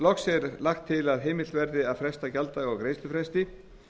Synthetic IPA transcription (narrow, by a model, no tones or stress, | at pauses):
lɔxsɛɾlaxt̪ʰːɪlaðɦeːjmɪvɛɾðɪaðfɾɛst̪acalt̪aɣɔɣkɾejst̪ʏfɾɛst̪ɪ